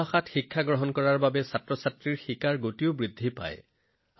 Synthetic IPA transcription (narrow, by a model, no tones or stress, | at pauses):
axatxikʰːaɡɹɔɦɔnkɔɹaɹbabɛsatɹɔsatɹiɹxikaɹɡotiʊbɹidʱːipa̰j